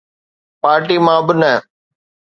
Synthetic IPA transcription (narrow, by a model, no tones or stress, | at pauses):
paːɾʈiːmãːbɪnə